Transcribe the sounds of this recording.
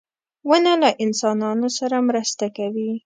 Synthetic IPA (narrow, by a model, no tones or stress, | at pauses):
wənalaʔɪnsɑnɑnosaɾamɾəst̪akawi